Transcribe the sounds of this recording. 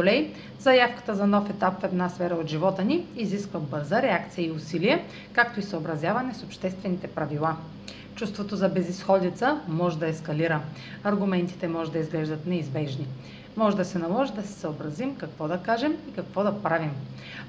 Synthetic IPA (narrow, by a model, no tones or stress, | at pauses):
olɛj | zɐjafkə̥t̪əzɐnɔfɛt̪apfɛd̪nasfɛɾəot̪ʒivɔt̪əniːziskvəbɤɾzəɾɛakt̪sijəiʊsilijɛ | kak̚t̪oisəobɾɐzjavɐnɛsopʃt̪ɛst̪vɛnit̪ɛpɾɐvilˠa | t͡ʃust̪vot̪ozɐbɛzisxɔd̪it̪səmɔʒɛd̪ɐɛskɐliɾə | ɐɾɡʊmɛnt̪i̥t̪ɛmɔʒɛd̪ɐizɡlɛʒd̪ət̪nɛizbɛʒni | mɔʒɛd̪ɐsɛnɐlˠɔʒid̪ɐsɛ̥səobɾɐzimkɐkvɔd̪ɐkaʒɛmikɐkvɔd̪ɐpɾavim